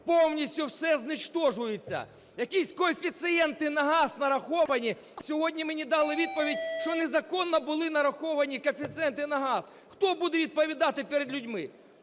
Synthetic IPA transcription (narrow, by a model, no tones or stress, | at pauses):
pɔwnʲisʲtʲʊwsɛznɪt͡ʃt̪ɔʒʊjet͡sʲːɐ̰ | jɐkʲisʲkɔefʲit̪sɪɛnt̪ɪnɐɦɑsnɐɾɐxɔʋɐnʲi | sʲɔɦɔdʲnʲimenʲid̪ɑlˠɪʋʲid̪̚pɔʋʲidʲʃt͡ʃɔnezɐkɔnːɔbʊlˠɪnɐɾɐxɔʋɐnʲikɔfʲit̪sɨɛnt̪ɪnɐɦɑs | xt̪ɔbud̪ɛʋʲid̪̚pɔʋʲid̪ɑt̪ɪpeɾed̪lʲʊdʲmɪ